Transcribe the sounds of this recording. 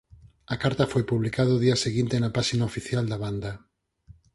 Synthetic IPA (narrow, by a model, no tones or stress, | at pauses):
ɐkaɾt̪ɐfojpuβlikaðoðiɐseɣint̪enɐpaʃinaofiθjald̪ɐβand̪ɐ